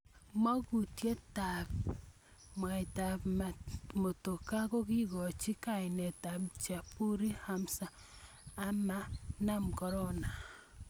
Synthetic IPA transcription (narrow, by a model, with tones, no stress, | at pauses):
ma˦ku˨tje˦ta˨p̚ | mwa˨i˨ta˨p | mo˨to˨ka˦ko˦ki˦ɡɔ˨t͡ʃi˦ka˨ɪ˨nɛ˨ta˨pt͡ʃa˨pu˦ɾi˦ha˦msaː˨ | ma˦na˦mkɔ˨ɾɔ˦na˨